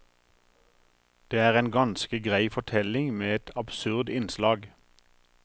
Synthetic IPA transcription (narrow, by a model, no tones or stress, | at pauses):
d̪̥eːæːʁeːnɡɑnskəɡʁæɪfɔʈʰɛlɪŋmeːɛt̪ʰɑbsʉʁd̪ɪnslɑːɡ